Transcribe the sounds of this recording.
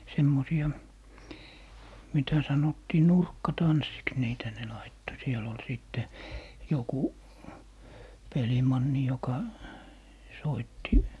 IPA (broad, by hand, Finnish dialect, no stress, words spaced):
semːosiɑ mitæ sɑnotːiː nurkːɑtɑnsːiks niːtæ ne lɑitːo sielː ol siˑtːe joku pelimɑnːi jokɑ soitːi